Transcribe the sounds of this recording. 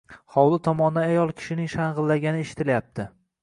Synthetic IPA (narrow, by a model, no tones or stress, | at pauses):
hɒwlˠɪt̪ʰɒmɒnd̪aajɒlˠkʲʰɪ̥ʃɪnɪŋʃaɴʁɨlːaɡʲanɪeʃɪ̥t̪ʰɪljap̚t̪ʰɪ